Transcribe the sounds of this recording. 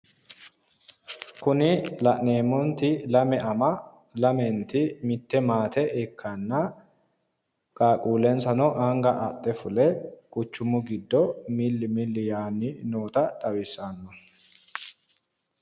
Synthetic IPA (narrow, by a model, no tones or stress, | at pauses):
kʊnɪlɐʔne̞ːmːɔnt̪ɪlɐmɛʔɐmɐ | lɐmɛnt̪ɪmɪt̪ːɛmaːt̪ɛʔɪkʰːɐnːɐ | kʼaːkʼuːlɛnsɐnɔʔɐŋɡɐʔɐt̪ʼːɛfʊlɛkʼʊt͡ʃːʊmʊɡɪd̪ːɔmɪlːɪmɪlːɪjaːnːɪnoːt̪ɐt̪ʼɐwɪsanːɔ